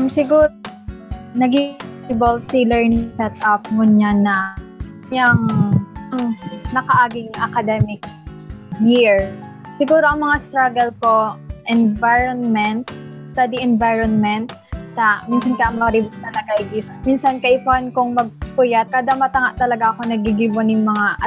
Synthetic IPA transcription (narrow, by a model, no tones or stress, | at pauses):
ʔmsɪɡuːo | nɐɡiɪbolsɪlɛɹnɪŋsɛt̪̚ʔap̚ŋʊɲanɐ | jɐŋɐŋnɐkɐʔaːɡɪŋʔɐkɐd̪ɛmɪk̚ | jiɹs | sɪɡuːɾoʔɐŋmɐŋast̪ɾaɡɐlpo̞ʔɛnvajɹonmɛnt̪st̪ad̪iʔɛnvajɹonmɛnt̪̚sɐminsɐnkɐjaŋmɐɾɪbʊnɐnɐkaiɡɪsminsɐnkɐʔɪpʊhankʊŋmɐɡ̚pʊjat̪̚kad̪amɐt̪ɐŋaʔt̪ɐlɐɡaʔɐkonɐɡiɡibonjʊŋmɐŋaʔɐ